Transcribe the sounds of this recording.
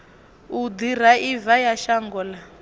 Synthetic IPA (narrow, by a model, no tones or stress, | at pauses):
ud̪iɾ̤aʔivajaʃaŋɡɔla